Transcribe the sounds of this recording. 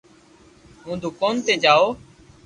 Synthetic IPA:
ɦũːd̪ʱʊkoːnt̪eːd͡ʒaːoː

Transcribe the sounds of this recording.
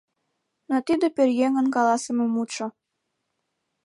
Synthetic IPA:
not̪id̪eperjeŋə̆nkɑlɑsə̆memut͡ʃo

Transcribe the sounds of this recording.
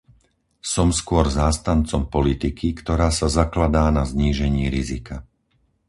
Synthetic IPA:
sɔmskʊɔɾzaːst̪ant͡sɔmpɔlit̪ikʰikt̪ɔɾaːsazaklad̪aːnazɲiːʒɛɲiːɾizika

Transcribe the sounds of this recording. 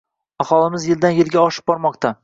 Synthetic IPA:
aχɒlˠɪmɪzjɪld̪anjɪlɡʲaɒʃɪ̥b̚bɒɾmɒqt̪a

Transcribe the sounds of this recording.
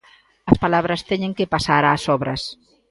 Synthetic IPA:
ɐspalaβ̞ɾɐst̪ɛɲẽŋkepasaɾaːsɔβɾɐs

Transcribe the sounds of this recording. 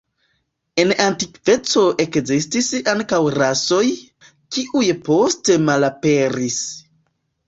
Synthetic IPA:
e̞nantikve̞t͡so̞ʔe̞kzistisaŋkawɾaso̞j | kiʔujpo̞ste̞malape̞ɾis

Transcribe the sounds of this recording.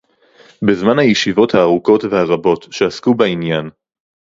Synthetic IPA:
bezmanhajeʃivo̞thaːʁuko̞tvehaʁabo̞tʃeaskubainjan

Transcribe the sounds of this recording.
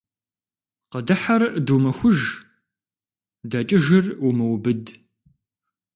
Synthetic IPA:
qədɨħarʔdumɐxʷʊʒ | dɐt͡ʃʼɪʒɪrumɨwbɨd

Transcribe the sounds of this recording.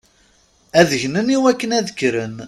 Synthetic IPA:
æðəʝnəniwækːənæðəkːɾən

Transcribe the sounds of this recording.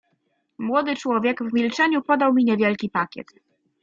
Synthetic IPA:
mwɔd̪ɘt͡ʂwɔvʲjɛɡvmʲilt͡ʂɛɲupɔd̪awmʲiɲɛvʲjɛlkʲipakʲɛ̰t̪

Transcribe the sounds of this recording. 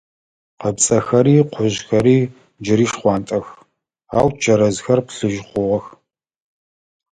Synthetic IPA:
qəbt͡sʼɐxɐɾiːqʷʊʑxɐɾiː | d͡ʒɪɾiːʂχʷɑːntʼɐx | a̰ːwt͡ʃʰɐɾɐzxɐrpɬɨʒχʷʊʁɐx

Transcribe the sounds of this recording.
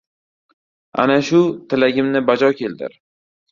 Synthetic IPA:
a̰naʃʊt̪ʰɪlaɡʲɪmnɪbad͡ʒɒkʲʰe̞ld̪ɪ̰ɾ

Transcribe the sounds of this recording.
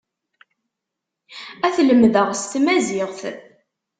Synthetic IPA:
æθləmðəʁst̪mæziʁθ

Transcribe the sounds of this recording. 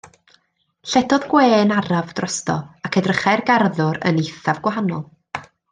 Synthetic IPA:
ɬɛdɔðɡweːnaɾavdrɔstɔ̰akʰədrəχajrɡarðʊɾə̰nejθavɡwaɦanɔlˠ

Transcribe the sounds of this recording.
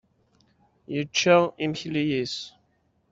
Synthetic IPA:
jət͡ʃːəimçlijis

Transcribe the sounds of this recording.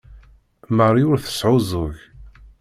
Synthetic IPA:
mərˤiʊɾθə̥sʕʊzˤʊʝ

